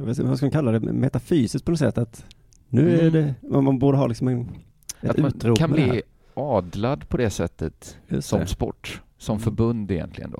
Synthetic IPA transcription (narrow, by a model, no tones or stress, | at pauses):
vasvaskamankalːad̪ɛmɛt̪afyːsɪst̪̚pʰɔnɔs̬ɛ̰t̪ːat̪ | nʉ̟ːæɖɛamanbuːɖəɦɑːlɪksɔmɛn | ɛat̪ʉːt̪ɾuːkʰanli | ɑːd̪lad̪pʰɔd̪ɛsɛt̪ʰːət̪jsɔmspɔ̰ʈː | sɔmfœɾbɵnd̪ɪjɛ̰nt̪lɪɡə̰nd̪o̰ː